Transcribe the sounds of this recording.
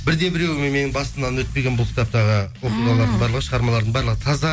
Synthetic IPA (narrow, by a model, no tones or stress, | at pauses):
bɪɾd̪e̞bɪɾewmemenɪbɑst̪əmd̪ɑnwɵt̪̚pe̞ɡʲenbʊlˠkʲʰɪ̥t̪ʰɑp̚t̪ɑʁəwoqəlˠmɑlˠɑɾd̪əɴbɑɾlˠəʁəʃəʁɑɾmɑlˠɑɾd̪əɴbɑɾlˠəʁət̪ʰɑzɑ